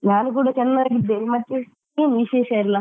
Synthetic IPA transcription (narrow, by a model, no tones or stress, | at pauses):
naːnuk̬uːɽɐt͡ʃɛnːɐaːɡid̪ːemɐt̪ːe | eːnʋiʃeːʃɐiɾlɐ